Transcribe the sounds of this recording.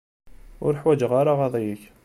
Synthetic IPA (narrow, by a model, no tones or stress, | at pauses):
ʊ̰ɾəħwæd͡ʒəʁaɾaʁɑðˤijəç